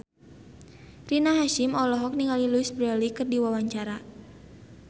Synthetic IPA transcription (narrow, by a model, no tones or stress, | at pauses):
rinaɦaʃɪmɔlɔɦɔk̚niŋɡaliluisbɾɛlikɨrdiwawaɲt͡ʃaɾa